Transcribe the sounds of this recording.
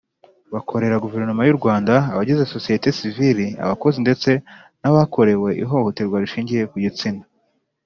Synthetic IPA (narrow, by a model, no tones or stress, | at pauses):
βakʰo̞ɾe̞ɾaɡuve̞ɾnomajuɾɡwaːndaːβaɟizeso̞sijete̞siviɾia̰βako̞zinde̞t͡se̞ | naβakʰo̞ɾe̞we̞ʔḭɦo̞hotiɾɡwaɾiʃiːɲɟije̞kuɟit͡sinḁ